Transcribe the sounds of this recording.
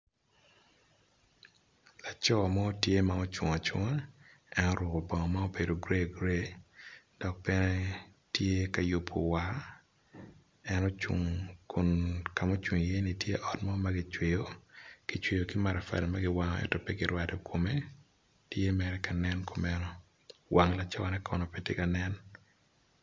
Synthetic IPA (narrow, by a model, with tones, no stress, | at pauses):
la˨t͡ʃɔ˦˨mɔ˦tje˦ma˨o˦t͡ʃwʊ˨ŋɔ˨t͡ʃʊ̰˦ŋa˦ | ɛ˦nɔ˦ɾʊ˨ko˨bɔ˨ŋɔ˨ma˦o˦be˨do˨ɡɾe˦ɡɾe˦ | d̥ɔ˨k̚pɛ˦nɛ˦tje˦ka˨ju˨pʰːo̰˨wa˨˦ | ɛ˦nɔ˦t͡ʃṵ˨ŋkʰo˨nka˨mo˦t͡ʃwu˨ŋ˨je˦ni˨tje˦ʔɔ˨tmɔ˦ma˦ɡɪ˦t͡ʃwe˨jo˦ɡ̥i˨t͡ʃwe˨jo˨kɪ˦ma˨ɾa˨fa̰˨dɛ˨ma˦ɡɪ˦wa˦ŋɔ˦ɛ̰˦tɔ˨pɛ˦ɡɪ˨ɾwa˦dɔ˨kʰo˨me˦ | tje˦mɛ˨ɾɛ˦ka˨nɛ˦nkʰo˨mɛ˦nɔ˦ | wʔa˨ŋla˨t͡ʃɔ˦wa˦nɛ˦kʰɔ˨nɔ˨pe˦te˦ka˨nɛ˦n